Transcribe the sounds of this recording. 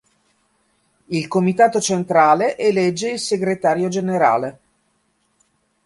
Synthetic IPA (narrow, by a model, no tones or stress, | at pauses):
ilkomit̪aːt̪ot͡ʃent̪ɾaːleʔelɛd͡ʒːeilseɡɾet̪aːɾjod͡ʒeneɾa̰ːle